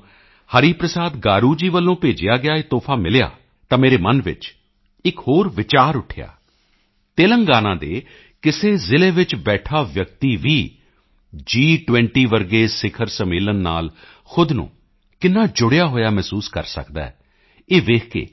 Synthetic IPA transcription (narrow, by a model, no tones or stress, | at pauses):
həɾiːpɾəsaːd̪ɡaːɾuːd͡ʒiːʋəlːõːpeːd͡ʒɪjaːɡɪjaːeːt̪oːpʰaːmɪlja̰ː | t̪ãːmeːɾeːmənʋɪ̰t͡ʃ | ɪkhoːɾʋɪt͡ʃaːɾʊʈʰɪja̰ː | t̪eːləŋɡaːnãːd̪eː | kɪseːzɪleːʋɪt͡ʃbɛːʈʰaːʋjək̚t̪iːʋiː | d͡ʒiːʈʋɛ̃ɳʈiːʋəɾɡeːsɪkʰəɾsəmeːlənːa̰ːl | xʊd̪nṵ̃ː | kɪnːaːd͡ʒʊɽɪjaːɦoːjaːmɛːsuːskə̰ɾsə̰kd̪a̰ːɛ | eːʋeːkʰkḛː